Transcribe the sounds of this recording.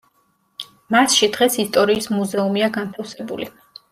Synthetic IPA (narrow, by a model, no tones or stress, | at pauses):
masʃid̪̥ʁɛsist̪ʼɔɾiːsmuzɛumiaɡant̪ʰafsɛbṵli